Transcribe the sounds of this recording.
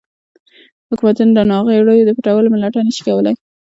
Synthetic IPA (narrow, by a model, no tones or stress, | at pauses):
hʊkmat̪unɾanɑɣeɽojod̪əpɪʈawəlomɪlaʈanəʃi̥kawəlaj